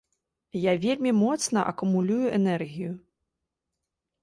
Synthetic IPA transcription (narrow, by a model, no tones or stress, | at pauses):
javʲelʲmʲimɔt̪snɐʔɐ̰kumulʲujuʔɛnɛrɣʲiju